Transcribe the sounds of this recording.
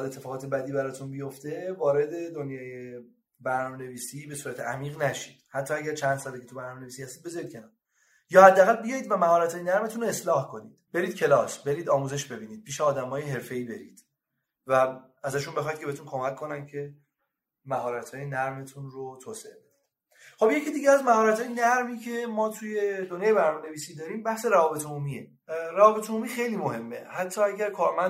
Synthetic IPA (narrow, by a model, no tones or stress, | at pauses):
d̪e̞t̪ʰːe̞fɒːʁɒːt̪ebæd̪iːbæɾɒːt̪ʰunbijo̞ft̪e̞vɒːɾe̞d̪e̞d̪onjɒːje | bæɾnɒːme̞ne̞viːsiːbe̞suːɾæt̪ʰeæmiːɣnæʃiːd̪̥hæt̪ʰːɒːæɟæɾt͡ʃʰænd̪̥sɒd̪ecʰet̪ubæɾnɒːmenevisiːhæst̪iːd̪be̞zɒɾid̪kcʰenɒɾ | jɒːhæd̪ːææɣælbejɒːiːd̪væmæhɒːɾæt̪ʰɒːjenæɾme̞t̪ʰunoe̞slɒːhkʰo̞nḭːd̪̥b̥e̞ɾiːd̪̚cʰe̞lɒːsbe̞ɾiːd̪ɒːmuːze̞ʃbe̞biːniːd̪̥̚pʰiːʃeɒːd̪æmɒːjeɦe̞ɾfe̞iːbe̞ɾḭːd̪̥ | væ | æzæʃunbe̞xɒːjid̪̚ceet̪unkʰo̞mækʰːo̞næncʰe̞ | mæɦɒːɾæt̪ʰɒːjenæɾme̞t̪ʰunɾot̪ʰoːseebe̞d̪id̪̥ | χo̞bje̞cʰid̪iɟeæzmæhɒːɾæt̪hɒːjenæɾmiːcʰe̞mɒːt̪ʰuje̞d̪onjɑːjebæɾnɒmene̞viːsiːd̪ɒːɾiːmbæhseɾævɒːbe̞t̪ʰomumie̞ | ɾævɒːbe̞t̪ʰomuːmiːxe̞jliːmohe̞mːe̞̰hæt̪ʰːɒːæɟæɾkʰɒːɾmæn